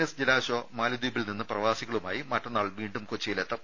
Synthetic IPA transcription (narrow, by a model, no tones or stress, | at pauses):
esd͡ʑilaːɕo̞ːmaːlid̪uːbilninːɨprɐʋaːsiɣɐɭuma̰ːjimɐʈːɐnːaːɭʋiːɳɖumkot͡ɕːijilet̪ːɐm